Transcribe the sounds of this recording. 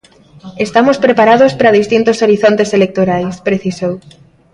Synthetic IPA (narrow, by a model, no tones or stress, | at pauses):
est̪amospɾepaɾaðospɾað̞ist̪int̪osoɾiθont̪eselek̚t̪oɾajspɾeθisow